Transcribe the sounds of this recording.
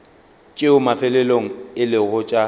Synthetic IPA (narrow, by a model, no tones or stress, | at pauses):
t͡ʃʼɪʊmafɛlɛloŋ̩ɪlɪɣʊt͡ʃʼa